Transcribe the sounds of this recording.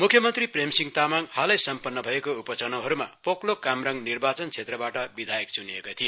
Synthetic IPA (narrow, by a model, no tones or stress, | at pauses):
mukʰjʌmʌnt̪ripremsiŋt̪amaŋhalʌjsʌmpʌnːʌbʱʌekoupʌt͡sʌnoɦʌɾumapoklokamrʌŋɡnirbat͡sʌnt͡sʰet̪rʌbaʈʌbid̪ʱajek̚t͡suniekot̪ʰije